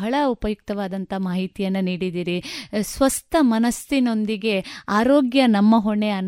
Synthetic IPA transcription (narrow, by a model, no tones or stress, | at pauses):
ɦɐɭɐupɐjuk̚t̪ɐʋaːd̪ɐnt̪ʰɐmaːɦit̪ijɐnːɐniːɽid̪iːɾisʋɐst̪ʰɐmɐnɐst̪ino̞nd̪iɡe̞aːɾoːɡjɐnɐmːɐɦoɳeɐnː